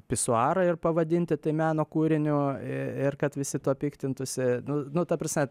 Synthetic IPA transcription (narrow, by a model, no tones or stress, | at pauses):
pʲɪsʊɑːɾɐɪrpɐʋɐd̪ʲɪnʲt̪ʲɪt̪ɐɪmʲæːnoːkuːɾʲɪnʲʊɪrkɐt̪ʋʲɪsʲɪt̪uɔpʲiːkt̪ʲɪnt̪ʊsʲɪnʊnʊt̪ɐprɐsʲmʲɛ